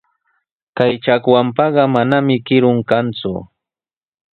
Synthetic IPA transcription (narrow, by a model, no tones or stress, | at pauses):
kajt͡ʃakwampɑɢɑmanamɪkɪɾʊŋkant͡sʊ̰